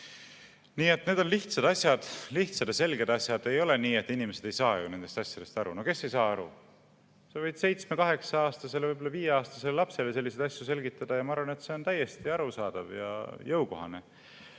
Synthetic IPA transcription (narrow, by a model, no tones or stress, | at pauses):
niːe̞t̪ːne̞ːd̪o̞nliht̪sɑd̪̥ɑsʲjɑd̪̥liht̪sɑd̪̥jɑse̞lɡe̞d̪ɑsjɑd̪̥e̞jo̞le̞niːe̞t̪ːinime̞sed̪ejsɑːjṵne̞nd̪e̞st̪ɑsʲjod̪̥e̞st̪ɑɾṵno̞ke̞se̞jsɑːɑɾṵ | sevɤjd̪̥se̞jt̪smekɑɦe̞ksɑɑːst̪ɑse̞levɯjbo̞lːɑviːjeɑːst̪ɑse̞lelɑpse̞lese̞lːise̞d̪̥ɑsjuse̞lɡit̪ːˑɑd̪̥ɑjɑmɑɑɾvɑne̞t̪se̞o̞nt̪æjːe̞st̪iɑɾusɑːd̪̥ɑvjɑ̰jɤwko̞̰ɦɑne̞